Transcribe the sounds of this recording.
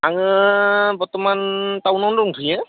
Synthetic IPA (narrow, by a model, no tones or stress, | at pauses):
aŋɯbɔtɔmantawnɔndɔŋtʰujɛ